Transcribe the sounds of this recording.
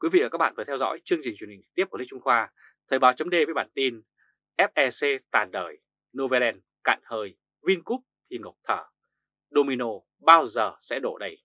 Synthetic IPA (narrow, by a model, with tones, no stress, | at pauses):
kwi˨˦vḭ˧˨aː˨˩a˦˥k̚ɓa̰ː˧˨vəː˨˩t̪ʰɛ˧wzɔ̰˧˥jt͡ɕɨ˧əŋt͡ɕï˨˩ŋ̟t͡ɕwnhi˨˩ŋ̟ɨ̥˨˩t̪i˦˥p̚kːï˦˥t͡ɕu˧ŋ͡mxwaː˧ | t̪ʰə˨˩ɓaː˨˦wt͡ɕə˨˦ŋ͡mɗe˧vəː˨˦jɓa̰ː˧˩˨nt̪i˧n | ʔɛ˦˥p̚ʔɛ˧se˧t̪aː˨˩nɗəː˧˨˩j | no˧ve˧lɛ˧n | ka̰ː˧˨nhəː˨˩j | vi˧nku˦˥p̚t̪ʰi˨˩ŋə˨˩wk͡p̚t̪ʰəː˧˩ | ɗo˧mi˧no˧ | ɓaː˧wzəː˨˩sɛ̰˧˥ɗo˧˩ɗə˧˩j